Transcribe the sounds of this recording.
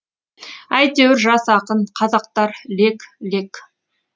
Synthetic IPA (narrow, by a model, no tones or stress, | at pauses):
æjt̪e̞wɪɾʒɑsɑqəɴqʰɑzɑq̚t̪ɑɾle̞klek